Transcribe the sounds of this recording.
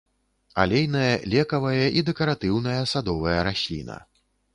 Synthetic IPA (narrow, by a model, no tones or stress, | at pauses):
a̰lʲejnɐjɐlʲɛkɐvɐjɐʔid̪ɛkɐɾat̪ɨwnɐjɐsad̪ɔvɐjɐɾasʲlʲḭnɐ̰